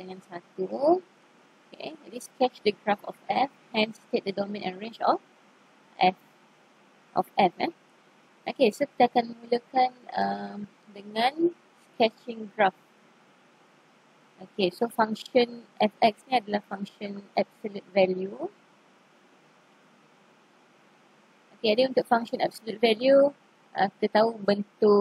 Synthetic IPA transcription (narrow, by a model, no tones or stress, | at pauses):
dəŋãnsat̪u | okḛdiskɛt͡ʃdəɡɹafɔ̰fɛfhɛ̃nstek̚dədɔmɛ̃nʔɛ̰̃nɹẽɲd͡ʒɔf | ʔɛf | ʔɔ̰fɛfɛ | ʔokesokit̪akanmuləkãnə̃ | dəŋãn | skɛt͡ʃɪ̃ŋɡɹaf̚ | okesofaŋkʃɔnɛfɛk̚snĩadəlahfãŋkʃɔnɛp̚solut̪̚vɛlju | ʔokeadeunt̪ʊk̚fãŋʃɔ̃nɛ̰p̚solut̪̚vɛlju | ʔə̃kit̪ət̪aubənt̪u